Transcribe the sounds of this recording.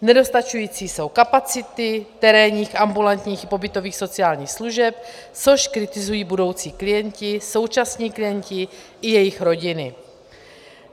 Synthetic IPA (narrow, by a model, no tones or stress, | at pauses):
nɛdo̞st̪at͡ʃujiːt͡siːso̞wkapat͡sɪt̪ɪt̪ɛɾɛːɲiːxʔambulant̪ɲiːxɪpo̞bɪt̪o̞viːxso̞t͡sɪaːlɲiːxsluʒɛp | t͡so̞ʃkɾɪt̪ɪzujiːbudo̞wt͡siːklɪjɛɲcɪso̞wt͡ʃasɲiːklɪjɛɲcɪ | ʔɪjɛjɪxɾo̞ɟɪnɪ